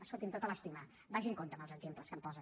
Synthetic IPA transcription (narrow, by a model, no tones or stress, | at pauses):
əsolt̪int̪ot̪ələst̪imə | baʒiŋkont̪əməlˠzəɡzempləskəmpɔzə